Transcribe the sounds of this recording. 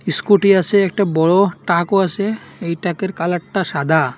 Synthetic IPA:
iskuʈiat͡ɕʰeɛk̚ʈabɔɽoʈakoat͡ɕʰe | ejʈakeɾkalaʈʈːaʃad̪ʱa

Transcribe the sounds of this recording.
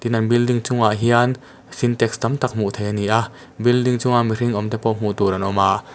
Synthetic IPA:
t̪inanbildiŋt͡sʊŋaʔɦian | sint̪ɛkst̪amt̪ak̚m̥uʔt̪ʰejaniʔaʔ | bildiŋt͡sʊŋamiɾiŋʔɔmt̪ɛpɔm̥ut̪uɾʔanʔɔmaʔ

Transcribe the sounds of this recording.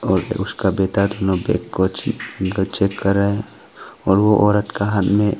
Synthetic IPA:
ɔɾ̰ʊskabɛt̪at̪ɔnɔbɛ̰kːɔt͡ʃɡət͡ʃɛkːəɾa | ɔɾwɔʔɔɾəʈkaɦat̪mɛ

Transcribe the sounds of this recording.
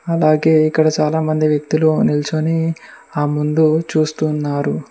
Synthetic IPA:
ɐlaːɡe̞ːikːɐɽɐt͡ʃaːlaːmɐnd̪iʋjɐk̚t̪ulunilt͡ʃoni | aːmund̪ut͡ʃuːst̪unːaːɾu

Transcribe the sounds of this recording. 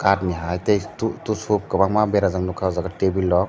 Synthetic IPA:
katniɦajtejtutusup̚kabaŋmabeɾazamnukʰawzaɡatebilːɔk̚

